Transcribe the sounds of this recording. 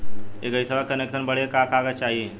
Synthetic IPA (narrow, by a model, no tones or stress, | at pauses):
eɡəisəbəkəneksənbəɽ̤ekakaːɡət͡ʃaːɦie